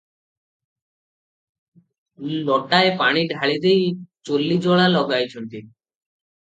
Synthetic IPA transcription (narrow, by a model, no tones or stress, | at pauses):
lɔʈaepaɽ̃iɖʱaɭid̪ejt͡ɕolːid͡ʑɔɭalɔɡajt͡ɕʰont̪i